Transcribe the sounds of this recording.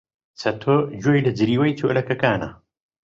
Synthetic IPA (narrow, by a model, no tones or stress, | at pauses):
t͡sʰɐt̪ʰod͡ʒoːjlɐd͡ʒɨɾiːwɐjt̪ʰo̰ʔlɐkɐkaːnɐ̰